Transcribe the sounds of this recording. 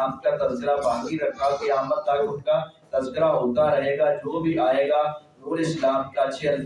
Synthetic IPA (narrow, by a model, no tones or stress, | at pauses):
aːmkat̪ɐzkɪɾabʱaːɡiɾɐkʰːakɐjaːmət̪̚ːakʊnkat̪ɐzkɪɾaɦoːt̪aɾɐɦeːɡad͡ʒoːbʱiʔaːeːɡaː | nuːɾɪslaːmkat͡ʃʰiɐn